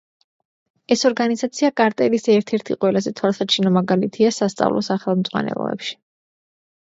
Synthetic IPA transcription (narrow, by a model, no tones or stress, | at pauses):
ɛsɔɾɡanizat̪sʰiakʼaɾt̪ʼɛlisɛɾt̪ʰɛɾt̪ʰiqʼwɛlazɛt̪ʰwalˠsat͡ʃʰinɔmaɡalit̪ʰiasast̪sʼa̰vlˠɔsaχɛlˠmt̪sʼwa̰nɛ̰lˠɔ̰ɛ̰pʃi̥